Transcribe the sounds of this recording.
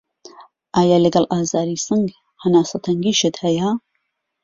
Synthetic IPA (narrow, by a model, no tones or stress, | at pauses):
ʔaːjaːlɐɡɐlʔaːzaːɾiːsɨŋɡ | hɐnaːsɐt̪ʰɐŋɡiʃət̪hɐja